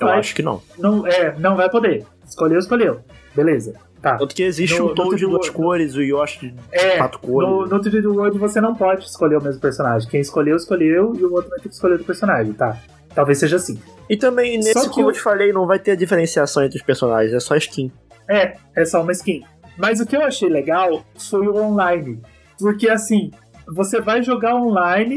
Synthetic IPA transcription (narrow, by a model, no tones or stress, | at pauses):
ewaʃʊ̥kɪnɐ̰̃w̃nɐ̃w̃ɛnɐ̃w̃vajpod̪e | ɪ̥skolewɪskoʎʲew | belezɐ | t̪ãt̪ʊ̥kɪeziʃt͡ʃ̪ʊɪ̃od͡ʒɪuɐskoɾɪzʊewaʃʊ̥kɪɛat̪ʊ̥koɾnʊnot̪ivid͡ʒ̪ɪwoɾd͡ʒɪvosenɐ̃w̃pɔd͡ʒɪɪskoʎeʊmezmʊpeɾsõnaʒẽj̃kẽj̃ɪskoʎewɪskolewɪuot̪ɾʊmãfikɪ̥skoled̪ʊpeɾsõnaʒẽj̃t̪a | t̪awvesːeʒɐasĩɪt̪ɐ̃mbẽj̃nsessɪkɪewt͡ʃɪ̥falejnɐ̃w̃vajt̪eɾɐd͡ʒifeɾẽsiasɐ̃w̃ẽt̪ɾʊspeɾsona̰ʒẽzɛsɔɪʃkĩ | ɛ | ɛsɔũmɐiskĩ | mɐzʊkɪewaʃejleɡawfojʊõlajnɪ | poɾkeasĩ | vosevajʒoɡaõlajnɪ